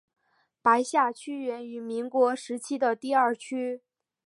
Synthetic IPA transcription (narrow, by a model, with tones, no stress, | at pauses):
pa˧˥ɪɕja˥˩t͡ɕʰy˥ɥɛ˧˥ny˧˥mi˧˥ŋkwɔ˧˥ʂɻ̩˧˥t͡ɕʰi˥d̪ə˨t̪i˥˧ɐ˞˥˩t͡ɕʰy˥